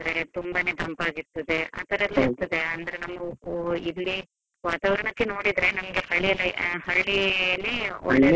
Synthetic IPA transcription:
ɐɾet̪umbane̞ːt̪ɐmpaːɡiɾt̪ːɐd̪e̞a̰ːt̪ɐɾɐlɐt̪ːɐd̪e̞ɐnd̪ɐɾenɐmɐɡilːi | ʋaːt̪aːʋɐɾɐɳɐkːeno̞ːɽid̪ɾe̞nɐmɐɡehɐɭiɐlːɐɦɐɭːineːɔ̰ɭːe

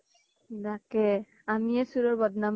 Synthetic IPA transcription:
dakɛ | amiɛsuɾɔɹbɔd̪nam

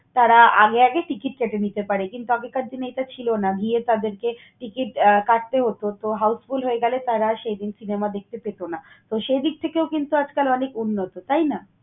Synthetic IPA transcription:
t̪aɾaa̰ɡeaɡeʈikiʈ̚keʈenit̪epaɾekint̪uaɡekaɾd͡ʑ̪inejʈat͡ɕʰilonaɡʱiet̪ad̪eɾke | ʈikiʈkaʈ̚t̪eɦot̪ot̪oɦawsfulɦoeɡɛlet̪aɾaʃejd̪insinemad̪ek̚t̪epet̪ona | t̪oʃejd̪ik̚t̪ʰekeokint̪uad͡ʑkalɔnekunːot̪ot̪ajna

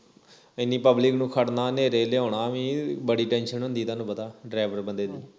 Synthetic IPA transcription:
ɪnːĩːpəblɪknũːkʰəɽnaːneːɾeːleːoːɳaːʋĩːbəɽiːʈɛ̃ːnʃənɦʊ̃nd̪iːt̪ãːnũːpət̪aːɖɾaːɪʋəɾbənd̪eːd̪iː

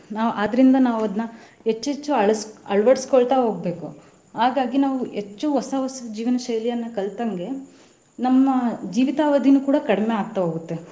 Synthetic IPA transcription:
naːʋuʔaːd̪ɐɾind̪ɐnaːʋɐd̪nɐ | ɦet͡ʃːet͡ʃːuɐɭsɐɭʋɐɽskɔɭt̪ɐɦo̞ːɡ̚be̞ːku | ɦaːɡaːɡinaːʋuet͡ʃːuʋɔsɐʋɐsɐd͡ʒiːʋɐnɐʃɐjlijɐnːɐkɐɭt̪ɐŋɡe̞ | nɐmːɐd͡ʒiːʋit̪aːʋɐd̪ʱinukuːɽɐkɐɽme̞aːɡ̚t̪ɐɦoːɡut̪ːe̞

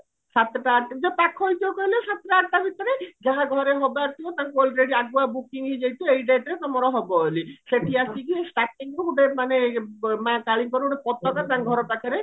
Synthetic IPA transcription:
ʃat̪ʈaaʈd͡ʒɔt̪akʰːojt̪okojleʃat̪ːeʈaaʈ̚ʈabʱit̪ɔɾed͡ʑaɦaɡʱɔɾeɦɔbaɾk̪iot̪akeɔlɾeɖiaʈ̚bɔabukiŋɦid͡ʑajt̪uejɖeʈɾet̪ɔmɔɾɔɦɔbɔoliʃeʈʰiasikiesʈaʈːiŋuuɖemanemãkaɭiŋkɔɾeuɖepɔt̪ːɔkaɾt̪anɡʱɔɾoʈakʰaɾe

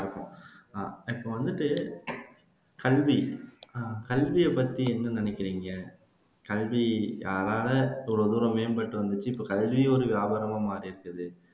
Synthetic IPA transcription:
ɪɾɯkːʊ̰̃ | ɪpːoːʋɐnd̪ɯʈːɯ | kɐlʋi | kɐlʋɪjɐpːɐt̪ːiɛnːɯnɪnɛkːɪɾiːŋɡɐ | kɐlʋijaːɾaːlɐʋɾɔðuɾɐ̃meːnpɐʈːɯʋɐnd̪ɯt͡ʃːɯɪpːoːkɐlʋiɔɾɯʋjaːbɐɾɐmaːmaːɾiɪɾɯkːɯðɯ

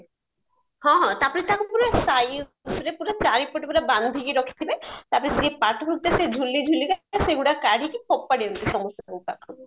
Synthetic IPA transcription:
hɔ̃ɦɔ̃t̪apɔɾet̪ʰakupuɾasaj | sɾepuɾat͡ɕaɾipɔʈepuɽaband̪ʱikiɾɔkʰi̥t̪ʰibet̪apɔɾesd͡ʑepaʈɦuk̚t̪esed͡ʒʱulːid͡ʒʱulːiɡaaseɡuɽakaɽ̤ʱikikʰɔpːaɽiɾut̪eʃɔmost̪ɔakot̪ako

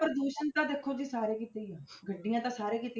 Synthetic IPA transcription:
pəɾd̪oːʃənt̪ãːd̪ekʰːoːd͡ʒiːsaːɾeːkiːt̪eiɛː | ɡəɖɪjãːt̪ãːsaːɾeːkiːt̪eː

